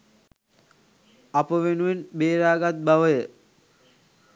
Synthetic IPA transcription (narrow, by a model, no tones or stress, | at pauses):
apəʋenuʋenbeːɾaːɡat̪̚baʋəjə